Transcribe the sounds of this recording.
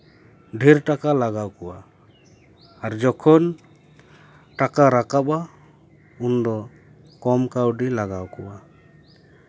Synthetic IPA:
ɖʱiɾʈakalaɡawkɔwa | ɾd͡ʒɔkʰɔn | ʈakaɾakaba | und̪ɔ | kɔmkawɖilaɡawkɔwa

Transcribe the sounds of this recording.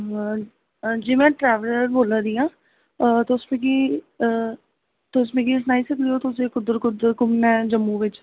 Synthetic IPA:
d͡ʒeːmɛ̃ːʈɾɛːʋələɾboːlãːd̪iːãː | t̪ːʊsmẽːkiː | t̪ːʊsmẽːkis̬naːiːsəkd̪ijoːt̪ʊseːkʊd̪əɾkʊd̪əɾkʊmnɛ̃ːd͡ʒəmːũːʋɪt͡ʃ

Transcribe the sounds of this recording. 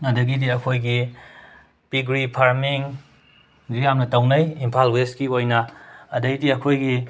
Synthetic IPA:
ɐdɐɡidiɐkʰojɡi | piɡɾipʰaɾmiŋ | zijamnɐtɐwnɐjimpʰalweskiojnɐːdɐɡidiɐkʰojɡi

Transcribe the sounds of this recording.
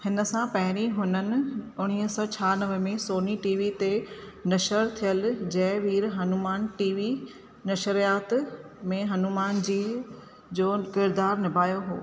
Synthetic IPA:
hɪnə̆sãpɐɦɪɾ̃iɦʊnənɪ̆ʊɽ̃iːɦsɔːt͡ɕʰaːnɐʋəmẽsoːniʈiːʋit̪enɐʃəɾt̪ʰijəld͡ʑɐ̃ɪʋiːɾɦɐnumaːnʈiːʋi | nɐʃəɾijaːt̪ | mẽɦɐnumaːnd͡ʑiː | d͡ʑoːkɪɾd̪aːɾnɪbʱaːjoɦo̰ː

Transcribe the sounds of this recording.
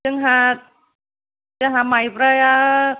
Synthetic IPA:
əŋɦa | d͡ʒaɦamaipɾaja

